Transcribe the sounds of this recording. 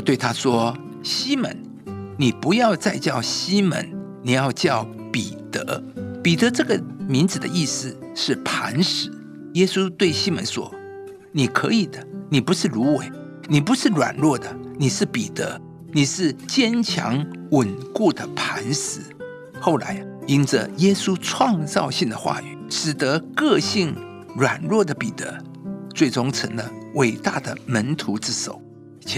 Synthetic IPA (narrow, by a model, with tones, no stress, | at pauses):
t̪we˥˩ɪt̪ʰa˥ʂwɔ˥ | ɕi˥mə̰˧˥n | ni˨˩pu˧˥jɑ˥˧ʊt͡sa˥˧ɪt͡ɕjɑ˥˩ʊɕi˥mə̰˧˥n | ni˨˩jɑ˥˧ʊt͡ɕjɑ˥˩ʊ | pi˨˩t̪ɤ̰˧˦pi˨˩t̪ɤ˧˥ʈ͡ʂɤ˥˩ɡə˩mi˧˥nd͡zɹ̩˨˩d̪ə̰˦i˥˧sɹ̩˥˧ | ʂɻ̩˥˩pʰa˧˥nʂɻ̩˨˩˦ | jɛ˥su˥t̪we˥˩ɪɕi˥mə̰˧˥nʂwɔ̰˥ | ni˨˩kʰɤ̰˧˥i˨˩d̪ə˦ni˨˩pu˧˥ʂɻ̩˥˩lu˧˥we˨˩ɪ | ni˨˩pu˧˥ʂɻ̩˥˩lwa̰˨˩nlwɔ˥˩d̪ə˩ni˨˩ʂɻ̩˥˩pi˨˩t̪ɤ̰˧˥ | ni˨˩ʂɻ̩˥˩t͡ɕjɛ˥nt͡ɕʰjɑ̰˧˥ŋwə˨˩nku˥˩d̪ə˩pʰa˧˥nʂɻ̩˧˥ | xo˥˩ʊla̰˧˥ɪi˥nʈ͡ʂə̰˧jɛ˥su˥ʈ͡ʂʰwɑ˥˧ŋt͡sɑ˥˧ʊɕi˥˩ŋd̪ə˨˩xwa̰˥˩y˨˩˦ʂɻ̩˨˩t̪ə˧˦kɤ˥˧ɕi˥˩ŋ | ɻwa˨˩nɻwɔ˥˩d̪ə˩pi˨˩t̪ə̰˧˦t͡swe˥˩ɪʈ͡ʂʊ˥ŋt͡sʰə˧˥ŋlə˧we˨˩ɪt̪a˥˩d̪ə˩mə˧˥nt̪ʰu˧˥t͡sɻ̩˥˩ʂo̰˨˩˦ʊ˧